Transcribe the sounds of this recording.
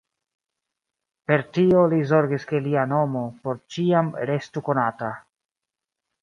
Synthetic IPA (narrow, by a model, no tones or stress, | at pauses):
pe̞ɾtio̞lizo̞ɾɡiske̞liano̞mo̞po̞ɾt͡ʃiamɾe̞stuko̞nata